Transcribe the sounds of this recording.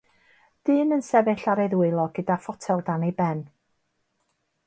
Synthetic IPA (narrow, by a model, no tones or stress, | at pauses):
d̥ɨːnənsɛvɨɬaɾɛðwɨlˠɔɡ̥ədafɔtʰɛlˠdanibɛn